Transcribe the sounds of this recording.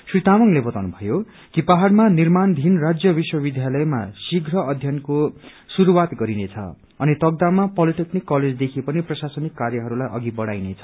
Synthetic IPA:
swit̪amʌŋlebʌt̪awnubʱʌjo | kipaɦarmanirmand̪ʱinrad͡zjʌbiswʌbid̪ʱjalʌjmasiɡʱrʌʌd̪ʱjʌnko | suɾuwat̪ɡʌɾinet͡sʰʌ̰ | ʌnit̪ʌɡ̚d̪amapʌliʈeknikːʌled͡zd̪ekʰipʌniprʌsasʌnikːarjʌɦʌɾulajʔʌ̰ɡibʌɽajnet͡sʰʌ̥

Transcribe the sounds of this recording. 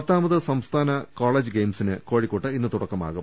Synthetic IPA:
ɐt̪ːaːmɐðɨsɐmst̪ʰaːnɐkoːɭeːd͡ʑɨɡejmsinɨko̞ːɻikːoʈːɨinːɨt̪uɽɐkːɐma̰ːɣu

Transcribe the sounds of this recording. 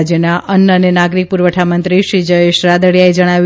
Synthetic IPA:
d͡ʒjənaʔənːəənenaɡɾik̚puɾʋəʈʰamənt̪ɾiʃɾid͡ʒəeʃɾad̪əɽjaed͡ʒəɽ̃aʋ

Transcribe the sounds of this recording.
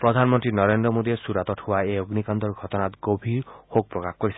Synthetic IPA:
pɾɔd̪ʱanmɔnt̪ɾinɔɾend̪ɾɔmod̪iesuɾat̪ɔʈhowaeoɡnikand̪ɔɾɡʱɔt̪ɔnat̪ɡobʱiɾhok̚pɾɔkaxkoɾisʰi

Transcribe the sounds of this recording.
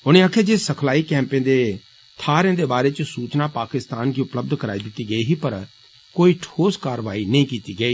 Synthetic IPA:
ʊñẽaːkʰed͡ʒesəkʰlaːikɛ̃ːmpẽd̪eː | t̪ʰaːɾẽːd̪eːbaːɾeːt͡ʃsuːt͡ʃnapaːkɪst̪aːnɡiːʊpləb̚d̪kəɾaːid̪ɪt̪ːiːɡəiːɦiːpɐɾ | koːiːʈʰoːskaːɾʋaːinɐĩkiːt̪iːɡəiː

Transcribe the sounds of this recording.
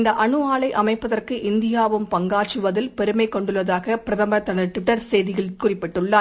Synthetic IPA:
nd̪ɐʔɐɳɯaːɭɐɪʔɐmɐɪpːɐðɐrkɯʔɪnd̪ɪjaːʋɯmpɐŋɡaːt͡ʃɯʋɐðɪlpɛɾɯmɐɪkːɔɳɖɯɭːɐðaːɣɐpɪɾɐðɐmbɐɾɐt̪ːɐɳɐɾʈ̪ɪʈːɐɾsɛjðɪɣɐɭkʊrɪpːɪʈːɯɭːaː

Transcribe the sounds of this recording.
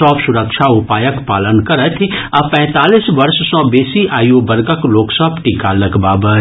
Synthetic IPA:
ɔːpsʊɾəkʃʰaʊpaːjəkpaːlənkɐɾət̪ʰapɛ̃ːt̪aːliːsʋɐɾʃsɔ̃ːbeːsiʔaːjobɐɾɡəkloːksəbʈiːkalɐɡbaːbə

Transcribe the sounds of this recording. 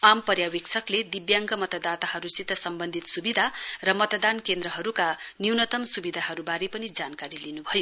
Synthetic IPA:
ampʌrjawiksʰʌkled̪ibjaŋɡʌmʌt̪ʌd̪at̪aɦʌɾusit̪ːʌsʌmbʌnd̪ʱit̪subid̪ʱarʌmʌt̪ʌd̪ankend̪rʌɦʌɾukaniwnʌt̪ʌmsubid̪ʱaɦʌɾubaɾipʌnid͡zankaɾilinubʱʌjo

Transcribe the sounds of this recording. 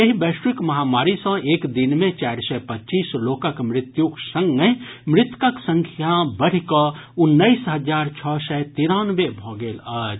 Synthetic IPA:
jəɦibeːʃɾɪkmɐɦaːmaːɾisə̃eːkd̪ɪnmẽt͡ʃaːɾsɛpətːt͡ʃiːsloːkəkmɾɪt̪juksə̃ŋɡemɾɪt̪kəksə̃ŋkʰjabəɽ̤ikəʊnːəɪsɦəd͡ʒaːɾt͡ʃʰɔːsɛt̪iːɾaːnʋebʱɔːɡeːlaːd͡ʒ

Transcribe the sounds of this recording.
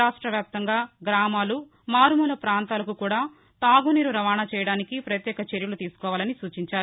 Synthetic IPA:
aːʂʈɾɐʋjaːp̚t̪ɐŋɡaːɡɾaːmaːlu | maːɾumuːlɐpɾaːnt̪aːlɐkukuːɽaː | t̪aːɡuniːɾuɾɐʋaːnat͡ʃɛːjɐɽaːnikipɾɐt̪jɛːkɐt͡ʃeɾjɐlut̪iːsu̥kɔːʋaːlɐnisuːt͡ʃiɲt͡ʃaːɾu

